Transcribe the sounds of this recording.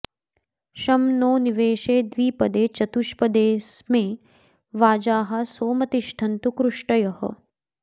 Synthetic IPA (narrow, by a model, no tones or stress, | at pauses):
ʃɐmnoːniʋeːʃeːd̪ʋiːpɐd̪eːt͡ʃɐt̪uʃpɐd̪eːsmẽː | ʋaːd͡ʒaːɦɐ̆soːmɐt̪iʃʈ̪ʰɐnt̪ukɾuʂʈɐjɐɦɐ̰